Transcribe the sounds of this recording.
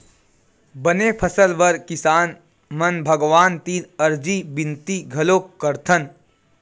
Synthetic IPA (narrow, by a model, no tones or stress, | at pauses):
bənepʰəsəlʋəɾkɪsaːn | mɐnbʱəɡʋaːnt̪iːɾɐɾd͡ʒibɪ̃nt̪iɡʱɐloːkəɾt̪ʰən